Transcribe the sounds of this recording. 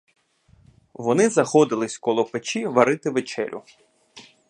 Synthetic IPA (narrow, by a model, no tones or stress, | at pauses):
ʋɔnɪzɐxɔd̪ɪlˠɪsʲkɔlˠɔpet͡ʃiʋɐɾɪt̪ɪʋet͡ʃɛ̰lʲʔʊ̰